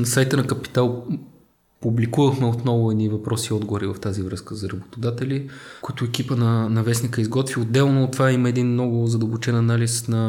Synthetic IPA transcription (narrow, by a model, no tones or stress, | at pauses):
nɐsajt̪ənɐkəpi̥t̪alˠ | publikuvəxmɛot̪nɔvʊɛnivɐpɾɔsiɔd̪ɡovʊɾivɐft̪azivɾɤskəzɐɾɐbot̪ʊd̪at̪ɛlikʊit̪ʊɛkipənɐnɐvɛsnikəizɡɔt̪vʲiod̪ːɛlˠnot̪vaiməɛd̪inmnɔɡʊzɐd̪əlˠbʊt͡ʃɛnɐnalisnɐ